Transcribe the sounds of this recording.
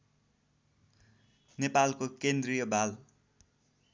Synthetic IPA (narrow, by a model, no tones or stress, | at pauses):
nepalkokend̪rijʌbʱal